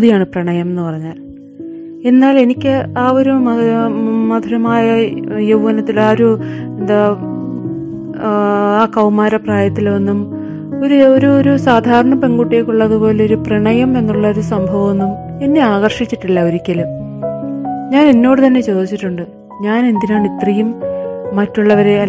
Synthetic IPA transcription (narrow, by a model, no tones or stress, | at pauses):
ðijaːɳɨprɐɳɐjɐme̞nːɨpɐrɐɲːaːl | e̞nːaːle̞nikʲːɨaːo̞ɾum | mɐd̪ʱuɾɐmaːjɐjeʋʋɐnɐt̪ːilaːoɾuend̪a | aːkɐwmaːɾɐpraːjɐt̪ːilo̞nːum | o̞ɾuoɾuoɾusaːd̪ʱaːɾɐɳɐpe̞ŋɡuʈːijekʲːuɭːɐðupo̞ːle̞o̞ɾupriɳɐjɐmenːuɭːɐoɾusɐmbʱɐʋɐmo̞nːum | e̞nːe̞aːɣɐrʂit͡ɕːiʈːilːɐo̞ɾikʲːɐlum | ɲaːne̞nːo̞ːɽɨt̪ɐnːe̞t͡ɕo̞ːd̪it͡ɕːiʈːuɳɖɨ | ɲaːne̞nd̪inaːɳit̪rijumːɐtːuɭːɐʋɐɾeɐ